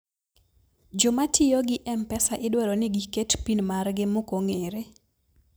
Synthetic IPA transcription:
d͡ʒomatʰɪjoɡɪʔɛmpɛsaʔɪdwɛɾonɪɡiketpinmarɡɪmokoŋeɾe

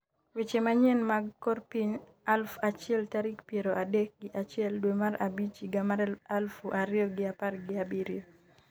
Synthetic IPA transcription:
wet͡ʃemaɲɛnmaɡkɔrpiɲ | alfat͡ʃɪɛltaɾikpjeɾoʔadek̚ɡɪʔat͡ʃɪɛldwemaɾabit͡ʃiɡamaalfuʔaɾjɔɡɪaparɡɪabiɾjo

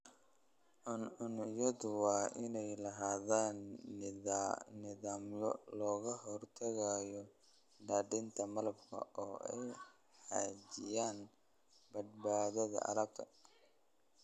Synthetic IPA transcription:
ʔʊnʊnjɐðʊwɑːʔɪnɛjlɐɦaːðaːnːɪðanɪðaːmjɔ̰lɔːɣɐɦɔrt̪ʰɐɣajɔ | ɖaːɖɪnt̪ʰɐmɐlɐbkʰɐ̰ʔɔːɛ̰j | ħaːd͡ʒɪjaːn | bɐd̪̚baːðɐðɐ̰ʔɐ̰lɐb̚t̪ʰɐ

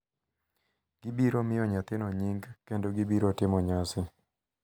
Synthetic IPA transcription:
ɡ̥ibiɾomɪjɔɲat̪ɪnɔɲiŋɡkendoɡibiɾotɪmɔɲasɪ

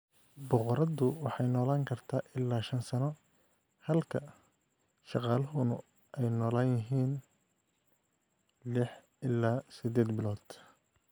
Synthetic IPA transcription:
bɔqɔɾɐðʊwɑħɑjnɔːlaːŋkʰɐrt̪ʰaːʔɪlːaːʃɐnsɐnɔ | hɐlkʰɐ | ʃɑqɑːlɐɦʊnʊ | ɛjnɔːlaːnjɪɦiːn | lɪħ | ɪlːaːsɪd̪ɛːd̪bɪlɔːd̪̥

